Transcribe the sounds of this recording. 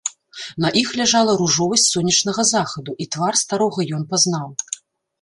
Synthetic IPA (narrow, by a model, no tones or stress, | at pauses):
nɐʔixlʲaʐalˠɐɾuʐɔvɐsʲtʲsɔnʲːɐt͡ʂnɐɣɐzaxɐd̪uʔit̪varst̪aɾɔɣɐjɔnpaznaw